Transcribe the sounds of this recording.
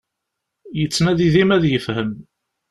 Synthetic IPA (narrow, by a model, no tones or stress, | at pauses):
jət͡sːnæðiðimæðjəfhəm